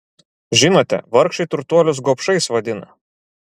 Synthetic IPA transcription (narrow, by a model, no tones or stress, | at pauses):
ʒʲɪnoːt̪ʲɛ̰ʋɐɾkʃɐɪt̪ʊɾt̪uɔlʲʊs̬ɡoːpʃɐɪsʋɐd̪ʲɪnɐ̰